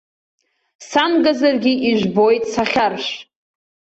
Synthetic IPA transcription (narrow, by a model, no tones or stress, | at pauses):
sanɡazarɡʲiʔiʒʷᶣbo̞jtʼsaχʲarʃʷ